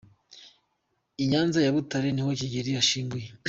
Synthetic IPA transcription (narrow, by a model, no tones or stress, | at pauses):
iɲaːnzajaβutaɾenihociɟeɾijaʃiːmɡuje